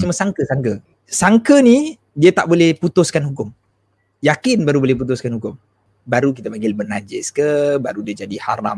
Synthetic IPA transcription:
t͡ʃumasaŋkəsaŋkə | saŋkəni | diat̪aʔbolɛhput̪ʊskanhɦukʊm | jakɪnbaɾubolɛhp̬ut̪ʊskanhukʊm | baɾuk̬it̪apaŋɡɪlbənad͡ʒɛskəbaɾudiəd͡ʒadiha̰ɾa̰m

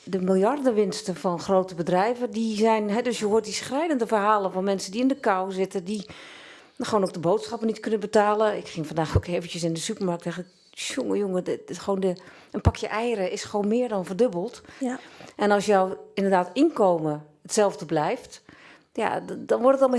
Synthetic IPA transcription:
dəmɪlˠjardəʋɪnstəfɔnxrowtəbədrɛjvədizɛjnɦɛdøsjəɦuːət̚disxrɛjdəndəfərɦaːlˠəfɔnmɛnsədiɪndəkawzɪtədi | xoːnok̚dəboːtsxɔpənitkønəbətaːləɪkxɪŋfɔndaːxoːkeːvəntjəsɪndəsypərmark̚tɛxɪk | ʃoŋəjoŋəxʋoːndə | ənpakʰjəʔɛjəɾəʔɪsxʋoːnmɪːrdɔnfərdøbəlˠt | ʔɛnɔlˠsjɔwɪndərdaːtɪnkoːmə | ətsɛlˠvdəblɛjft | ja̰dɔnʋɔrtətɔlˠm

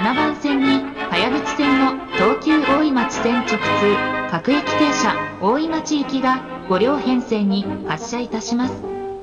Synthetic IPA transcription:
anabãɰ̃sẽ̞ɲ̟ːihajabɯt͡sɨ̥sẽ̞nːo̞t̪o̞ːkʲɨːʔo̞ːimat͡ɕi̥sẽ̞ɲt͡ɕo̞kɯ̟̥t͡sɨːkakɯ̟ikʲi̥t̪e̞ːɕao̞ːimat͡ɕiɯkʲiɡa | ɡ̥o̞ɾʲo̞ːhẽ̞ɰ̃se̞ɲ̟ːihaɕːait̪aɕimasɨ̥

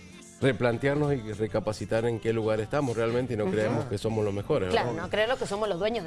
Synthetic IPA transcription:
re̞plant̪jaɾno̞sire̞kapasit̪aɾe̞ŋke̞luɣaɾest̪amosrealment̪eino̞kɾeemo̞ske̞so̞mozlo̞zme̞xo̞ɾezβlaɾanokɾeelokeso̞mozlozðweɲo

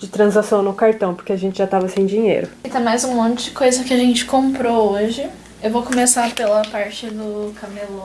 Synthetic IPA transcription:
d͡ʒɪt̪ɾɐ̃zasɐ̃w̃nʊkaɾt̪ɐ̃w̃poɾkeaʒẽnt͡ʃɪʒat̪avɐsĩj̃d͡ʒĩɲḛjɾʊkɪt̪ẽj̃majzũmõnt͡ʃɪd͡ʒɪkojzɐkɪɐʒẽnt͡ʃɪ̥kõmpɾooʒɪ | ewvokomesapelɐpaɾt͡ʃɪd̪ʊkamelõ

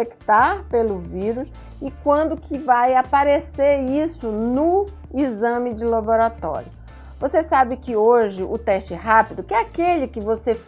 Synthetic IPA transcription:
ekt̪aɾpelʊviɾʊs | ɪkwɐ̃nd̪ʊkʰɪvajapaɾeseɾisʊnʊ | izɐ̃mɪd͡ʒɪlaboɾat̪ɔ̰ɾjʊ | vosesabɪkɪoʒɪʔʊt̪ɛʃt͡ʃɪɦapid̪ʊkɪɛakelɪkɪvosef

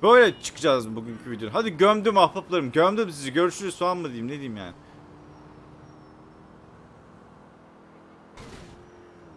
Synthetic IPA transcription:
b̥øjlʲɛt͡ʃʰɯ̥kʰɯd͡ʒazbuɟyɲcʰyvid̪joɦad̪iɟømd̪ymahpaplˠaɾɯmɟømd̪ymsizɛɟøɾyʃyɾɛsuanˠmad̪ɯjɯmne̞d̪iːimja̰ːnɪ

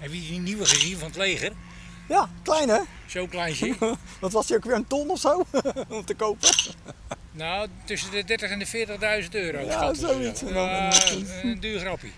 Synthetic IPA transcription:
ɛvisiniʋəχəzinfɔnətleːɣər | jaklɛjnɛ | sowklɛjnsə | dɔtʋɔsdiokʋɪɹəntɔnɔfsowɔmtəkowpə | nowtʏsəndədɛrtəχɛndəfɪːtəχdœɥzəntøːɾojazowits | ndyːxrɑpḭ

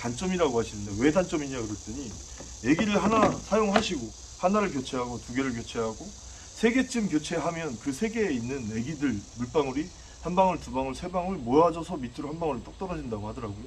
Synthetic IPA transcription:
kant͡ɕ͈ʌmiɾaɡohaɕʰinɯndewe̞dant͡ɕ͈ʌmiɲakɯɾʌt͈ɯɲi | e̞ɡiɾɯɭɦanasʰajoŋɭɦaɕʰiɡo | hanaɾɯɭkjot͡ɕʰe̞ɦaɡotuɡe̞ɾɯɭk̬jot͡ɕʰe̞ɦaɡo | sʰe̞ɡe̞t͡ɕ͈ʰɯmkjot͡ɕʰe̞ɦamjʌnkɯsʰe̞ɡe̞ːinːɯne̞ɡidɯɭmuɭp͈aŋuɾi | hanbaŋɯɭtubaŋɯɭsʰe̞baŋɯɭmojɦad͡ʑʌsʰʌmitʰɯɾohanbaŋuɾit͈ʌk̚t͈ʌɾʌd͡ʑindaɡohadʌɾaɡojo

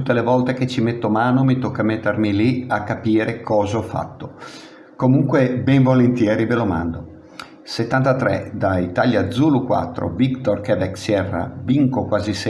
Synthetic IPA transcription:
ut̪ːelevɔlt̪eket͡ʃːimet̪ːomaːnomit̪okːamet̪ːermiliakːapiːɾekʰɔːzaɔfːa̰t̪ːo | komuŋkwebɛɱvolent̪jɛːɾiveloma̰nd̪o | set̪ːant̪at̪ɾɛ̰d̪ait̪aljad̪zulukwa̰t̪ːɾo̰vikt̪orkɛvɛksjɛrːa̰viŋkokwaːzis

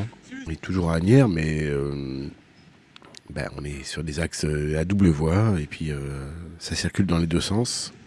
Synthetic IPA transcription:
ɛt̪ʰuʒuʁanjɛʁmɛø | ba̰ɔ̰̃nɛsyʁd̪ezaksøad̪ubləvwaepɥiøsasiʁkʲyld̪ɑ̃led̪øsɑ̃s

